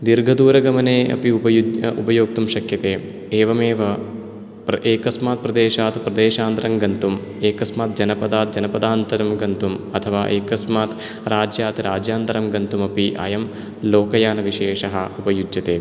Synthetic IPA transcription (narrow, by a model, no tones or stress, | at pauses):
d̪iɾɡʱɐd̪uːɾɐɡɐmɐneːɐ̰piupɐjuupɐjoːk̚t̪umʃɐkjɐt̪eː | eːʋɐmeːʋɐ | pʔeːkɐsmaːt̪̚pɾɐd̪eːʃaːt̪pɾɐd̪eːʃaːnd̪ɐɾɐmɡɐnt̪um | eːkɐsmaːt̪̚d͡ʒɐnɐpɐd̪aːt̪̚d͡ʒɐnɐpɐd̪aːnt̪ɐɾɐmɡɐnt̪umɐt̪ʰɐʋaːʔeːkɐsmaːt̪ | ɾaːd͡ʒjaːt̪ɾaːd͡ʒjaːnt̪ɐɾɐmɡɐnt̪umɐpiʔa̰ːjɐm | loːkɐjaːnɐʋiʃeːʃɐɦɐupɐjud͡ʒjɐt̪eː